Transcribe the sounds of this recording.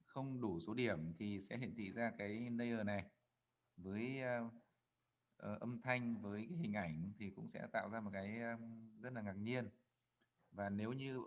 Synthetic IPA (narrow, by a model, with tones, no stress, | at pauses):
xə˧wŋ͡mɗu˧˩so˨˦ɗi˧˩əmt̪ʰi˨˩sɛ̰˧˥ɦḭ˧˨ənt̪ʰḭ˧˨zaː˧kaː˨˦jnə˧jʔəː˨˩na˨˩j | vəː˨˦j | ʔə˨˩ʔə˧mt̪ʰa˧jŋ̟vəː˨˦jkaː˨˦ɦï˨˩ŋ̟ʔa˧˩jŋ̟t̪ʰi˨˩kʊ̰˧˥ŋ͡msɛ̰˧˥t̪a̰ː˧˨wzaː˧mo˨˩t̚kaː˨˦jzə˦˥t̚laː˨˩ŋaː˨˩k̚ɲi˧ən | vaː˨˩ne˨˦wɲɨ˧